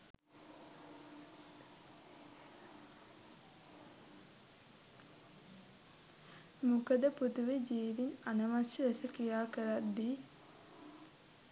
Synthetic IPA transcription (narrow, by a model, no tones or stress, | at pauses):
mukəd̪əput̪uʋed͡ʒiːʋinanəmaʃəɾesəkijaːkəɾat̪ːi